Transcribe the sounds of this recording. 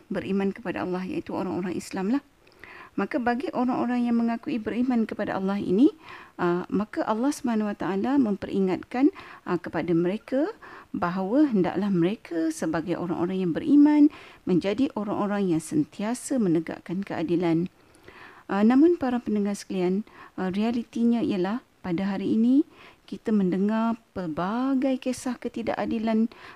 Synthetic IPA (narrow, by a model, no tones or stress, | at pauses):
bəɾimãnkəpada̰ɑ̰lːɑɦja̰it̪uo̰ɾaŋo̰ɾaŋʔislamlah | makabaɡiʔoɾaŋʔoɾaŋjaŋməŋakuibəɾimankəpada̰ʔɑlːɑɦḭniʔəmakaʔalːɑhsubahanawat̪aʔalamə̃mpəɾʔḭŋat̪̚kankəpadaməɾekabaɦawəɦənda̰ʔlahməɾekʰasəbaɡajʔo̰ɾa̰ŋʔo̰ɾaŋjaŋbəɾimãnmə̃ɲd͡ʒadiʔoɾaŋʔoɾaŋjaŋsənt̪iasəmənəɡa̰ʔkankəʔa̰dilan | ʔnãmʊnpaɾapəndəŋarsə̥kəlianrialit̪iɲãḭjəlah | padaɦaɾiːnikit̪amə̃ndəŋarpərbaɡajkesahkət̪ida̰ʔadilan